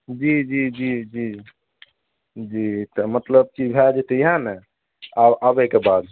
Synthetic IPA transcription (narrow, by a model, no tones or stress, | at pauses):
d͡ʒid͡ʒid͡ʒid͡ʒi | d͡ʒit̪əmət̪ləb̚t͡ʃid͡ʒbʱɛd͡ʒet̪əiɦãnɛ | aabɛkebad̪